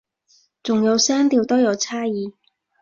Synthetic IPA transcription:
t͡sʊ˨˩ŋjɐ˨˧wsɛː˥ŋt̪iː˧wt̪o˥wjɐ˨˧wt͡sʰaː˥jiː˨˧

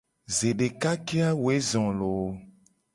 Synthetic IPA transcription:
ze˨ɖe˨ka˦ke˦a˦wwe˦zɔ̃˨lo˨˦

